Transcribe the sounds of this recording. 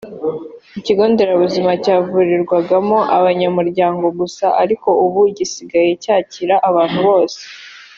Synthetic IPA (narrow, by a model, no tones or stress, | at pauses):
iciɡo̞ːnde̞ɾaβuzimacaːvuɾiɾɡwaɡamoʔaβaɲamuɾɟaːŋɡo̞βusa̰ʔaɾiko̞uβuɟisiɡaje̞caːciɾaʔaβaːn̥huβo̞ːse̥